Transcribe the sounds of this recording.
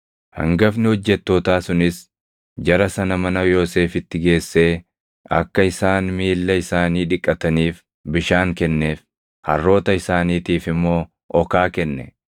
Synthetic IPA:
hɐ̰ŋɡɐfnɪhɔd͡ʒːɛt̪ːo̞ːt̪aːsʊnɪs | d͡ʒɐɾɐsɐnɐmɐnɐjo̞ːse̞ːfɪt̪ːɪɡe̞ːsːe̞ː | ɐ̰kːɐɪsaːnmiːlːɐɪsaːniːᶑɪkʼːɐt̪ɐniːf | bɪʃaːŋkɛnːe̞ːf | hɐ̰rːo̞ːt̪ɐɪsaːniːt̪iːfɪmːo̞ː | ʔɔkaːkɛnːɛ̰

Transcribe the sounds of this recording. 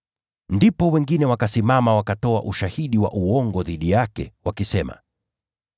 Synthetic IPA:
ndipɔwɛŋɡinɛwakasimamawakatɔaʔuʃahiɗiwa̰ʔuɔŋɡɔðiɗijakɛ̰wakisɛma̰

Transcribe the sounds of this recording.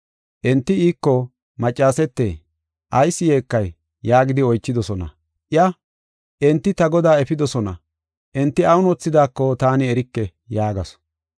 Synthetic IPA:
ʔɛnt̪ːɪiːkːɔ | mɐt͡ʃʼːaːsɛt̪ːḛː | ʔɐjsːɪje̞ːkːɐjː | aːɡɪd̪ɪɔjt͡ʃːɪd̪ɔsɔnɐ̰ | ʔɪjɐ | ʔɛnt̪ːɪt̪ɐɡɔd̪aːɛfɪd̪ɔsɔnɐ̰ | ʔɛnt̪ːɪɐwʊnɔt͡sːɪd̪aːkːɔt̪aːnɪɛɾɪkːɛ | jaːɡɐsɔ̥

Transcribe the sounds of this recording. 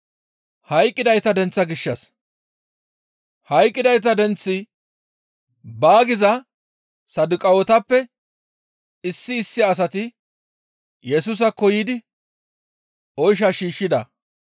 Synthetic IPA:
hɐjkʼːɪd̪ɐjt̪ɐd̪ɛnt͡sːɐɡɪʃːɐs | hɐjkʼːɪd̪ɐjt̪ɐd̪ɛnt͡sːɪ | baːɡɪzɐ | sɐd̪ʊkʼɐwɔt̪ɐpːɛ | ɪsːɪːsːɪːs̬ɐt̪ɪ | jɛsus̬ɐkːɔjiːd̪ɪ | ɔjʃ̬ɐʃiːʃːɪd̪ɐ

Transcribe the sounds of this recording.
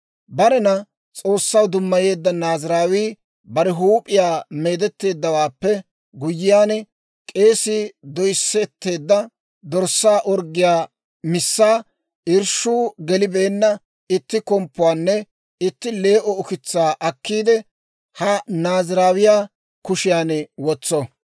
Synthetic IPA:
bɐɾɛnɐ | t͡sʼo̞ːsːɐwd̪ʊmːɐje̞ːd̪ːɐnaːzɪɾaːwiː | bɐɾɛɦuːpʼɪjaːme̞ːd̪ɛt̪ːe̞ːd̪ːɐwaːpːɛ | ɡʊjːɪjaːnɛ | kʼe̞ːsɪd̪ɔjsːɛt̪ːe̞ːd̪ːɐ | d̪ɔɾsːaːʔɔɾɡɪjaː | mɪsːaː | ɪɾʃuːɡɛlɪbe̞ːnːɐ | ɪt̪ːɪkɔmpːʊwaːnːɛ | ɪt̪ːɪle̞ːʔɔɔkɪt͡sːaːʔɐkːiːd̪ɛ | hɐnaːzɪɾaːwɪjaː | kʊʃɪjaːnwɔt͡sːɔ

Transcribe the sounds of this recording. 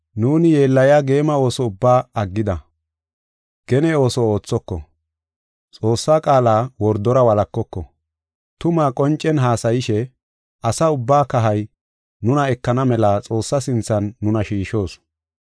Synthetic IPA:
nuːnɪje̞ːlːɐjaɡe̞ːmɐo̞ːsɔʊbːaːɐɡːɪd̪ɐ | ɡ̥ɛnɛo̞ːsɔo̞ːt͡sːɔkːɔ̰ | t͡sʼo̞ːsːaːkʼaːlaːwɔɾd̪ɔɾɐwɐlɐkːɔkːɔ̰ | t̪ʊmaːkʼɔnt͡ʃʼːɛnɦaːsɐjɪʃɛ | ʔɐsɐʊbːaːkɐɦɐj | nʊnɐɛkːɐnɐmɛlat͡sʼo̞ːsːɐsɪnt͡sːɐnːʊnɐʃiːʃo̞ːs

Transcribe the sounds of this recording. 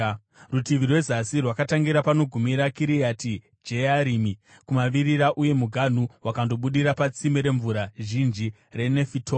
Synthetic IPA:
rutiʋirwe̞zasirwakataŋɡiɾapano̞ɡʱumiɾakiɾijati | d͡ʒeaɾimi | kumaʋiɾiɾaʔuje̞muɡʱan̤uwakando̞ɓuɗiɾapat͡simeɾe̞ɱvuɾaʒind͡ʒi | re̞ne̞fitʰo

